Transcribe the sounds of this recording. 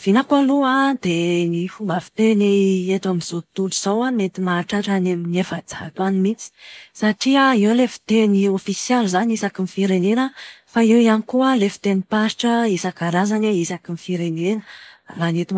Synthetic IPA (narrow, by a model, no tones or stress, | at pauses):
v̥inakualuad̪enifumbafi̥t̪eneet̪amiz̥ot̪uluz̥awamet̪imaʈ͡ʂaʈ͡ʂanaminefad͡za̰t̪animit͡si̥saʈ͡ʂiaewlefi̥t̪eniofisjɛlzanisakimifiɾenenəfaewianikuəlefi̥t̪enipaʃi̥ʈ͡ʂəisakaɾazaneisakimifiɾenenəlanet̪im